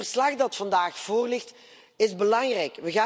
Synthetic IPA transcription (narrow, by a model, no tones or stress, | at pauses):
ərslɑχdɑtfɑndaːxv̥oːrlɪxt | ɪzbəlɑŋrɛjkʋəɣaː